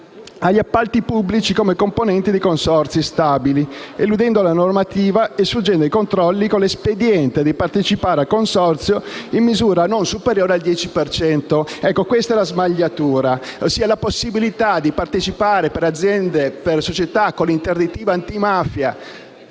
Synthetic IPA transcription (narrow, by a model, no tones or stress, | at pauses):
aʎːiapːalt̪ipubːlit͡ʃikomekomponɛnt̪id̪ikonsɔrt̪sjist̪aːbilielud̪ɛnd̪olanormat̪iːvaesfud͡ʒɛnd̪oikont̪ɾɔlːikolːesped̪jɛnt̪ed̪ipart̪et͡ʃipaːɾealkːonsɔrt̪sjoimːizuːɾanonsupeɾjoːɾeald̪jɛːt͡ʃipert͡ʃɛnt̪oɛkːokwest̪aɛlazmaʎːat̪uːɾasiːalaposːibilit̪ad̪ipart̪et͡ʃipaːɾepeɾad̪zːjɛnd̪epersot͡ʃet̪akːonlint̪erd̪it̪iːvaːnt̪imafja